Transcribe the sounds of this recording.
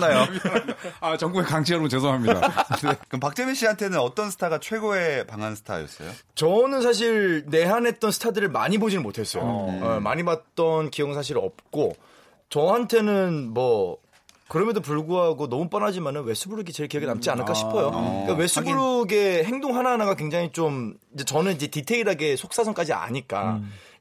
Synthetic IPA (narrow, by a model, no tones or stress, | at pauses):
najo | at͡ɕʌŋɡuekaŋɕʰiaɾobnt͡ɕes̬ʰoɦamɲidda̰kɯmpak̚t͡ɕ͈emeɕ͈iɦantʰe̞nɯnʌt͈ʌnsʰɯ̥tʰaɡat͡ɕʰwe̞ɡoe̞paŋɦansʰɯ̥tʰa̰jʌs͈ʌjo̰ | t͡ɕʌnɯnsʰaɕ̬ʰiɭne̞ɦanɦe̞t̚t͈ʌnsʰɯ̥tʰadɯɾɯɭma̰ɲibod͡ʑinɯnmotʰe̞s͈ʌjo̰ma̰ɲimat̚t͈ʌnkijʌŋɯnsʰaɕ̬ʰiɾʌ̰p̚k͈o | t͡ɕʌɦantʰe̞nɯnmʌ | kɯɾʌmjʌndop̬uɭɡuɦaɡonʌmup͈ʌnad͡ʑimanɯnwe̞s͈ʰubuɾuɡit͡ɕe̞ɭkijʌɡenamt͡ɕ͈ianɯɭk͈ʰaɕʰi̥ppʰʌjoik͈awe̞s͈ʰubuɾuɡe̞ɦe̞ŋdoŋɦanaɦanaɡakwe̞ŋd͡ʑaŋit͡ɕ͈om | id͡ʑet͡ɕʌnɯnid͡ʑe̞titʰe̞iɾaɡe̞sʰok̚s͈asʰʌŋk͈ad͡ʑia̰ɲiɭk͈a̰